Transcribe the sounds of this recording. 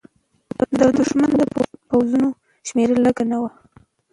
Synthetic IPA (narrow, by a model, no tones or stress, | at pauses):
d̪əd̪ʊʃmand̪əpawzuno | ʃmeɾələɡanawa